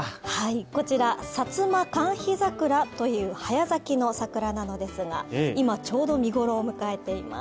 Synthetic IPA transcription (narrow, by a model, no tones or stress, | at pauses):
haiko̞t͡ɕiɾasat͡sɨmakãɰ̃çizakɯ̟ɾat̪o̞jɯ̟ːhajazakʲino̞sakɯ̟ɾanano̞d̪e̞sɨɡa̰imat͡ɕo̞ːd̪o̞mʲiɡo̞ɾo̞ːmɯ̟kae̞t̪e̞ima̰